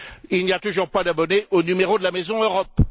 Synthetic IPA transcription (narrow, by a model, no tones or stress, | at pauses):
ilniat̪uʒuʁpad̪abɔneʔonymeʁod̪əlamɛzɔ̃øʁɔp